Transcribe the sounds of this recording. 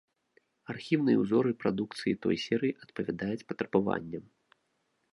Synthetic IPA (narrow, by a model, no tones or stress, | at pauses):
arxʲiwnɨjɛwzɔɾɨpɾad̪ukt̪sɨjit̪ɔ̰jsʲɛɾɨjiʔɐt̪pɐvʲad̪ajut͡sʲpɐt̪ɾɐbava̰nʲːɐm